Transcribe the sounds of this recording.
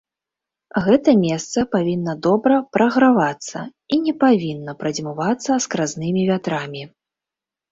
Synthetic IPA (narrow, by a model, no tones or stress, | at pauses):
ɣɛt̪ɐmʲɛst̪sɐpavʲinːɐd̪ɔbɾɐpɾɐɣɾavat̪sːɐ̰ | inʲɛpavʲinːɐpɾɐd͡zʲmuvat̪sːɐskɾaznɨmʲivʲat̪ɾamʲi